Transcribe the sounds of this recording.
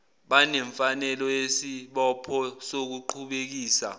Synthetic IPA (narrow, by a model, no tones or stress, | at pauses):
ɓanɛɱfanɛlɔjesiɓɔpʰɔsok̬uǃʰuɓek̬iːsa̰